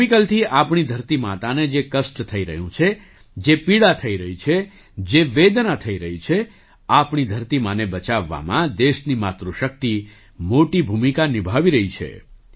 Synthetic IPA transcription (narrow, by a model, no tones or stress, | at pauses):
ikəlt̪ʰiʔapɳid̪ʱəɾt̪imat̪aned͡ʒekəsʈt̪ʰəiɾə̰ɦjũt͡ʃʰe | d͡ʒepiɽat̪ʰəiɾəɦit͡ʃʰe | d͡ʒeʋed̪nat̪ʰəiɾəɦit͡ʃʰe | apɳid̪ʱəɾt̪imanebət͡ʃaʋːa̰mãd̪eʃnimat̪ɾuʃək̚t̪i | moʈibʱumikanibʱaʋiɾəɦit͡ʃʰḛ